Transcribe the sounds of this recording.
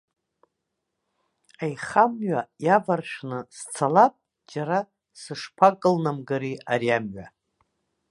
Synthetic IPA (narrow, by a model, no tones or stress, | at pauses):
ajχamɥajavarʂnɨst͡sʰalapʼ | d͡ʒaɾa | sɨʂpʰakʼɨlnamɡaɾiaɾiamɥa